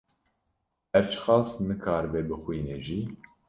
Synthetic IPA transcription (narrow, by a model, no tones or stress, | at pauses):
ɛɾt͡ʃʰxɑːsnɨkʰɑːɾɨbeːbɨxʷiːneːʒiː